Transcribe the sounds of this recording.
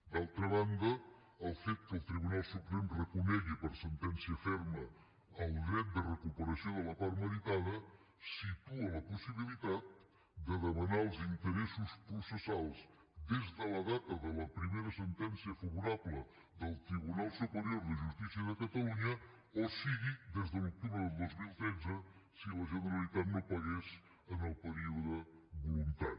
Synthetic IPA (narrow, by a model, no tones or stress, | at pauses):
d̪alˠt̪ɾəβand̪əː | lˠfet̪̚kəlˠt̪ɾiβ̞unalˠsupɾɛmrəkunɛɣipəɾsənt̪ɛnsiəfɛɾməː | lˠd̪ɾɛt̪̚d̪ərəkupəɾəsjoðələpaɾməðit̪aðə | sit̪uələpusiβ̞ilit̪at̪̚ | d̪əðəmənaəlˠzint̪əɾɛsuspɾusəsalˠz | d̪ezðələðat̪əðələpɾimeɾəsənt̪ɛnsiəfɐβuɾaβlə | ðəlˠt̪ɾiβunalˠsupəɾjoɾðəʒust̪isiəðəkət̪əluɲə | osiɣid̪ezðəluk̚t̪uβɾəðəlˠd̪ozmilˠt̪ɾɛd̪d͡zəsiləʒənəɾalit̪at̪nopaɣɛs | ənəlˠpəɾiuðəβulunt̪a̰n